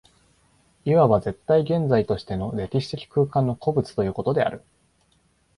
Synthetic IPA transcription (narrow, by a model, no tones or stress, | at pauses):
iβaβaze̞t̪ːaiɡẽ̞nd͡zait̪o̞ɕi̥t̪e̞no̞ɾe̞kʲiɕi̥t̪e̞kʲi̥kɯːkãnːo̞kʰo̞bɯ̟t͡sɨ̥t̪o̞jɯ̟ːko̞t̪o̞d̪e̞a̰ɾɯ̟